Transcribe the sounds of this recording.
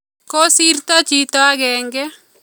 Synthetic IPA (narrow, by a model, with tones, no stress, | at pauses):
ko˦si˦rt̪ɔ˦t͡ʃi˦t̪ɔ˦a˦ɡɛ˨ŋɡɛ˦